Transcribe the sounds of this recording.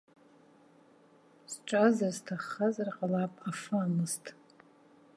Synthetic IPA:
sʈ͡ʂʼazarztʰaχːazarqʼalapʼafaamɨztʼ

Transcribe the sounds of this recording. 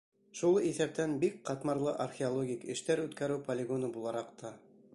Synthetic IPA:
ʃulˠiθæp̚t̪ænbik̚qɑt̪mɑɾlˠɤʔɐrxʲeolˠoɡʲikɘ̆ʃt̪æɾʉt̪kæɾɘwpolʲɪɡonɤbulˠɑɾɑqt̪ɑ

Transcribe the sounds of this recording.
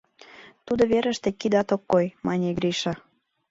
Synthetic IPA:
t̪ud̪oβeɾə̆ʃt̪ekid̪ɑt̪okːojmɑnʲeɡɾiʃɑ

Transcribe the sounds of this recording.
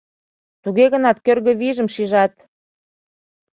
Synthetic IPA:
t̪uɣeɣənɑt̪̚kørɣə̆βiʒə̆mʃiʒɑt̪

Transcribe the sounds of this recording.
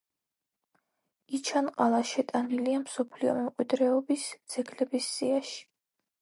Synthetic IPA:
it͡ʃʰanqʼalˠaʃɛt̪ʼaniliamsɔpʰliɔ̰mɛmkqʼwid̪ɾɛɔbisd̪z̥ɛɡlɛbisːiaʃi̥

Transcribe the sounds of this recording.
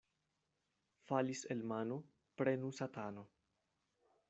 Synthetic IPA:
faliselmanu | pɾenusatano

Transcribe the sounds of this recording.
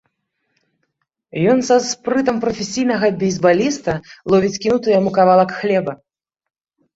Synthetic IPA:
jɔnsaspɾɨt̪ɐmpɾɐfʲesʲijnɐɣɐbʲizʲbalʲist̪ɐlˠɔvʲit͡sʲkʲinut̪ɨjamukavalˠɐkxlʲɛbɐ

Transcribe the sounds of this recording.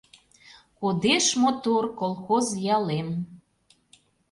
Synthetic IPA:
kod̪eʃmot̪orkolˠxozjɑlem

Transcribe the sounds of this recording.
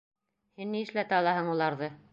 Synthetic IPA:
hinːiɘ̆ʃlæt̪ɑlˠɑɦɤɴulˠɑɾðɤ

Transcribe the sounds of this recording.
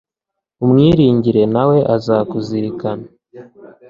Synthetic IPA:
umŋiːɾiːɲɟiɾe̞nawe̞ʔazakuziɾikana

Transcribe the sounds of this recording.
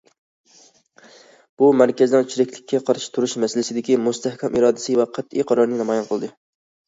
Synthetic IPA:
b̥umæɾkʲɛznɨŋt͡ʃʰiɾɪkʲlɪkʲʰːɛqʰɑɾʃɪ̥t̪ʰuɾuʃmɛsɪlɪsɪd̪ɪkʲimʊst̪ʰæhkʲʰɛmʔiɾɑːd̪ɪsɨvɛqʰæt̪ijqʰɑɾɑɾnɨnɑmɑjɑnqʰəlˠd̪ɨ

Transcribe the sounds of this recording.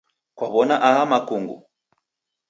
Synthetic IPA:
kwaβɔnaʔaɦamakuŋɡṵ

